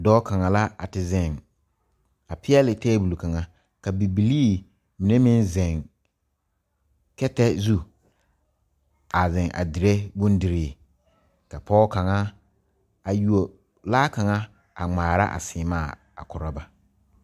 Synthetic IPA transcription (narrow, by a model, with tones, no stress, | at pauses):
dɔː˦ka˨ŋa˨la˦a̰˨tɪ˨zɛ˨ŋ | a˨pʰɪ˦ɛ˦lɪ˨tɛː˦bu˨lu˨ka˨ŋa˨ | ka˨bi˨bi˨liː˦ | mɪ˨ne˦mɪ̃˦nzɛ˨ŋ | kɛ˦tɛ˦zu˦ | a˨zɪ̃˨ŋʔa̰˨dɪ˨ɾe˦bʊ̃˦n˦dɪ˨ɾɪː˨ | ka˨pʰɔː˦ka˨ŋa˦ | a˨ju˨o˨ | laː˦ka˨ŋa˦ | a˨ŋ͡maː˨ɾa̰˦ʔa̰˨sɪː˨maː˦˨ | a̰˨kʊ˨ɾa˦ba˨